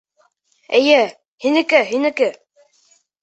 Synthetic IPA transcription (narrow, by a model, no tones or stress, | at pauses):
ɘ̆jɘ | hinɘ̆kɘɦinɘ̆kɘ